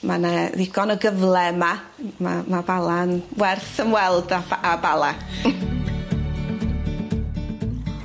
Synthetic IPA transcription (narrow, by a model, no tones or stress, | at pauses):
manɛðɪɡɔnəɡəvlɛma | mamabalˠanwɛrθəmwɛlˠdaabalˠa